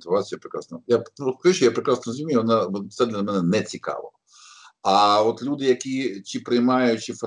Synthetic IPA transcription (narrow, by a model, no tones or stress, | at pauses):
t̪ɪʋat͡sʲjɐpɾekɾa̰snɐjapɔkɐut͡ʃɔjapɾɪkɾasnɔzmʲimʲijʋɔnɑt̪sɛd̪lʲɐlʲɐmɛnɛnɛt͡sʲikɑ̰ʋɪ̰ɐ | ɐɔt̪lʲud̪ɪjɐkʲit͡ʃipɾɪjmɑjʊt͡ʃif